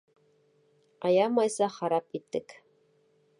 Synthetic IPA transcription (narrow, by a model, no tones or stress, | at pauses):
ɑjɑmɑjsɑχɑɾɑpit̪ːɘk